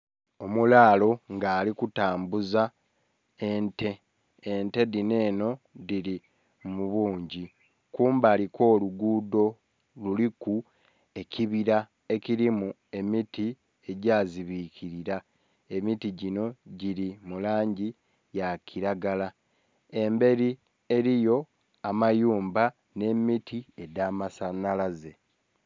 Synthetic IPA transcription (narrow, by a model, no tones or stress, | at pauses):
o̞mulaːlo̞ŋɡaːlikutaːmbuza | e̞nte̞ː | nte̞dine̞ːno̞ | diɾi | muβuːɲɟi | kuːmbaːlikʰo̞ːluɡuːdo̞ | luliku | e̞cʰiβiɾa | e̞ciɾimu | e̞miti | e̞ɟaːziβikiɾiɾa | e̞mitiɟino̞ɟiɾimulaːɲɟi | jakʰiɾaɡala | e̞mbe̞ɾi | e̞ɾijo̞ | amajuːmba | ne̞mitie̞damasanalaze̞